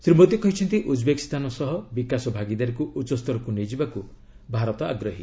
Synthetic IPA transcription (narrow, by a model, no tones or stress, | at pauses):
sɾimod̪ikɔɦit͡ʃʰɔnt̪iʔud͡ʒbeki̥st̪ʰanɔsɔɦɔbikasɔbʱaɡid̪aɾikuʔut͡ʃːɔst̪ʰɔɾɔkuned͡ʒibaku | bʱaɾɔt̪ɔa̰ɡɾɔɦi